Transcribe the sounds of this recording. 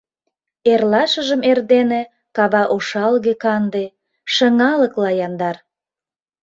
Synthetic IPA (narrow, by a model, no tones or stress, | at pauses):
erlɑʃəʒəmerd̪ene | kɑβɑʔoʃɑlɣekɑnd̪e | ʃə̆ŋɑləklɑjɑnd̪ɑr